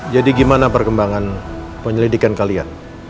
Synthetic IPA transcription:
d͡ʒadiɡimanapərkəmbaŋan | pəɲəlidikankalia̰n

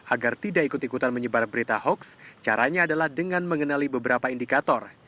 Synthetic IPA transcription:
ʔaɡart̪idaʔikʊt̪ikut̪anməɲəbarbəɾit̪ahɔkst͡ʃaɾaɲaːdalahdəŋanməŋənalibəbəɾapaindikat̪ɔr

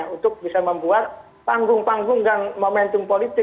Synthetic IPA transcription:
unt̪ʊk̚bisaməmbuat̪̚ | paŋɡʊŋpaŋɡʊŋɡaŋmomɛnt̪ʊmpolit̪ɪ

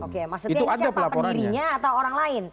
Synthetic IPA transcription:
okemasutiuadapəlapəoɾdaiɾiɲaːt̪awoɾaŋlaɪn

